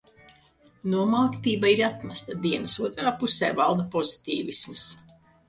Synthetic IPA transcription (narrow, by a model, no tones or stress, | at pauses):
nuɔmawt̪t̪iːbaiɾat̪mast̪ad̪iɛnɨsuɔt̪ɾaːpusɛ̰ːvalˠd̪apɔzit̪ʲiːvismɨs